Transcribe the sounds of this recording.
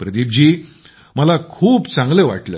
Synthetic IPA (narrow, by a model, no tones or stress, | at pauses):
pɾəd̪ib̚d͡ʑiː | məlakʰuːpt͡sãŋɡleʋa̰ʈləː